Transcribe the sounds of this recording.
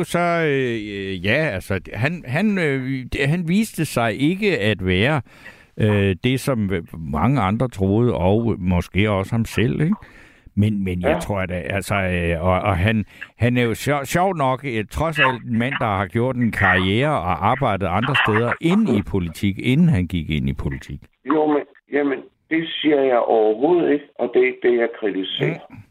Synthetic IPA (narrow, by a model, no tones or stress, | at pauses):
sɒ̽ | jæælsɒ̥ɦænɦænø̥ɦænʋiːsd̥əsɑ̈ɪʔe̝ɡ̥əæd̥ʋæːɐ | ød̥e̝sɒ̽mmɑ̈ŋəɑ̈nd̥ʁɐt͡sʰʁo̝ːð̞̩ˠɒʊmɒ̽sɡ̥e̝̰ːɒ̽səhɑ̈msel̰eɡ̥ | menmenjɑɪt͡sʰʁo̝ɐ̰d̥æælsɒɒʔɒɦænhænæɐjo̝ɕɕjɒʊ̰̥nɒ̽ɡ̥t͡sʰʁɒ̽sæl̰d̥e̝nmæn̰d̥ɑ̈hɑ̈ɡ̥jo̝ɐ̰d̥enkʰɑ̈ieːɐɒʔɑ̈ːb̥ɑ̈ɪ̰d̥ð̩ˠɑ̈nd̥ʁɐsd̥eð̞ˠɐʔe̝nipʰo̝lit͡sʰiɡ̥e̝nn̩ɦænɡ̥iɡ̥e̝n̰ipʰo̝lit͡sʰiɡ̥ | jom | jæmən | d̥e̝siɐjɑ̈ɪʔɒʊɐɦo̰ð̞̩̰ˠiɡ̥ɒ̽d̥e̝eɡ̥̚d̥e̝jɑ̈ɪkʰʁit͡sʰise̝̰ɐ